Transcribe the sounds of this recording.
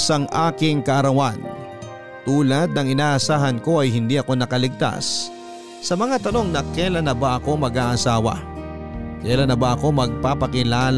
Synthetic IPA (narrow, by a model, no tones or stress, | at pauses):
sɐŋʔaːkɪŋkɐʔɐɾɐwan | t̪uːlɐd̪̚nɐŋɪnaːʔɐsaːɦɐnko̞ʔɐjhɪnd̪iʔɐko̞nɐkɐlɪɡ̚t̪a̰sː | ɐmɐŋat̪ɐno̞ŋnɐkɛlɐnɐbaʔɐko̞mɐɡaːʔɐsaːwɐ̰ | kɛːlɐnɐbaʔɐko̞mɐɡ̚papɐkɪlaːl